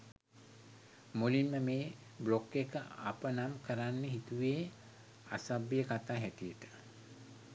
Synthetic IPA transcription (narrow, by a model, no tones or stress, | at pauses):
mulinməmeː | blokːekəapənamkəɾanːeɦit̪uʋeː | asabːijəkat̪aːɦɛʈijəʈə̥